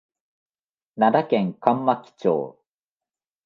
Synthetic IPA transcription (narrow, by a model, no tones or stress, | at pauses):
nad̪akẽ̞ŋkãmːakʲi̥t͡ɕo̰ː